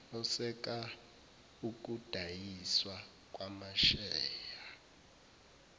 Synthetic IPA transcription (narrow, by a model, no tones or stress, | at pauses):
ɔsɛk̬ʼa | uk̬ʼud̥ʱajiswa | k̬ʼwamaʃɛːja